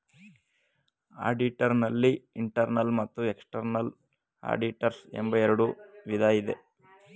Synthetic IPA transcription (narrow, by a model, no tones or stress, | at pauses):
a̰ːɖiʈɐɾnɐlːiiɳʈɐɾnɐlmɐt̪ːueksʈɐɾnɐl | a̰ːɖiʈɐɾsembɐjɛɾuɽuʋid̪ʱaːjid̪e̞